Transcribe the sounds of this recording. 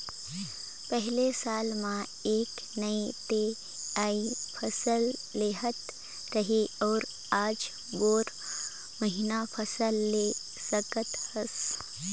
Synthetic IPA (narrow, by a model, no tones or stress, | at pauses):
pɛɦlesaːlmã | eːk | nəit̪e | aːipʰəsəlːeːɦət̪ | ɾəɦeɔːɾ | aːd͡ʒ | ɡoːɾ | məɦɪnapʰəsəlːe | səkət̪həs